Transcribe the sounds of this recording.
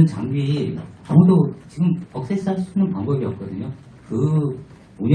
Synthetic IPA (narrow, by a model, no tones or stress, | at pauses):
nt͡ɕaŋɡiːamudot͡ɕiɡɯmʌk̚s͈es͈ʰɯaɭsʰu̥inɯnpwaŋbʌbiʌp̚k͈ʌdɯɲo | kɯ | oɲ